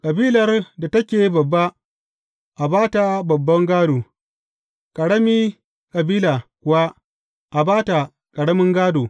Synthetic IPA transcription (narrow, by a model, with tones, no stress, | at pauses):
kʼɐ˨biː˦lɐ˨rda˨tɐ˦kʲeː˨bɐ˨bːa˦ | ʔa˨baː˦ta˨bɐ˨bːɐ˦ŋɡaː˦doː˨ | kʼɐ˨ɽɐ˦miː˦ | kʼɐ˨biː˦laː˨kʷʊ˨wa˦ | ʔa˨baː˦ta˨ | kʼɐ˨ɽɐ˦mɪ˦ŋɡaː˦doː˨